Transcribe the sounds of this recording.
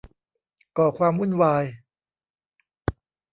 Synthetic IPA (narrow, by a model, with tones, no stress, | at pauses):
kɔː˨˩kʰwaː˧mɾu˥˩˨nwaː˧j